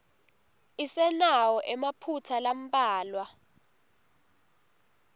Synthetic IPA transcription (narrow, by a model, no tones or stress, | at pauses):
isɛnawɔʔɛmapʰutʰalam̩pʼaːlwa